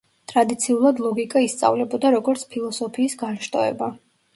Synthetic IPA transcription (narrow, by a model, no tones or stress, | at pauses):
t̪ʼɾad̪it̪sʰiulˠad̪lˠɔɡikʼaist̪sʼa̰vlɛbɔd̪aɾɔɡɔɾt̪sʰpʰilˠɔsɔpʰiːsɡanʃt̪ʼɔ̰ɛ̰ba